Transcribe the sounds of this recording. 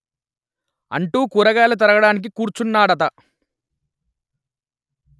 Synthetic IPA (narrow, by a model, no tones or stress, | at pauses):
ɐ̰ɳʈuːkuːɾɐɡaːlɐt̪̬ɐɾɐɡɐɽaːnik̬ikuːɾt͡ʃunːaːɽɐt̪̬ɐ